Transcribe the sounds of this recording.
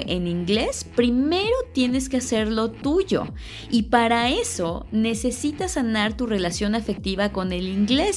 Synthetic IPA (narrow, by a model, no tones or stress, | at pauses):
eniŋɡle̞spɾime̞ɾo̞t̪je̞ne̞skease̞ɾlo̞t̪uʝo̞̰ | ipaɾae̞so̞ne̞se̞sit̪asanaɾt̪ure̞lasjo̞nafe̞k̚t̪iβako̞ne̞liŋɡle̞s